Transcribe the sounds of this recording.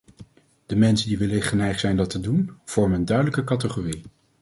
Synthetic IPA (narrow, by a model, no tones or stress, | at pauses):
d̥əmɛnsəndiʋɪləχənɛjχtsɛjndɑtədunv̥ɔɹmənəndœɥdələkəkɑtəχori